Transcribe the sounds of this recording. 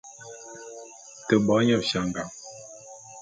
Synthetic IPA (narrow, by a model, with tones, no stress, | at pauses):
tə˨bɔ˨˦ɲɔ˦˨ʃa˨ŋ̩˨ɡa˨m